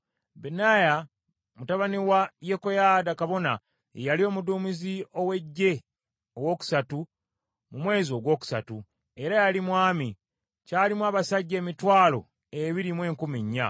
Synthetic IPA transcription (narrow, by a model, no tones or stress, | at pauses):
benaja | mutaβaniwaje̞kojaːdakaβo̞na̰ | jalio̞muduːmizio̞we̞ɟːe̞ | owo̞ːku̥satu | mumwe̞ːzio̞ɡwo̞ːku̥satu | e̞ɾajalimwaːmi | caːlimwaːβasaɟːe̞ːmitwaːlo̞̰ | eβiɾimwe̞ːŋkumiɲːa̰